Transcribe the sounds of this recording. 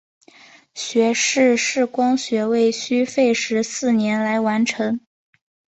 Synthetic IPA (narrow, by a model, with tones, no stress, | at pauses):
ɕɥɛ˧˥ʂɻ̩˥˧ʂɻ̩˥˩kwɑ˥ŋɕɥɛ˧˥we˥˩ɪɕy˥fe˥˩˧ɪʂɻ̩˧˥sɹ̩˥˩njɛ˧˥nla˧˥ɪwa˧˥nʈ͡ʂʰɤ˧˥ŋ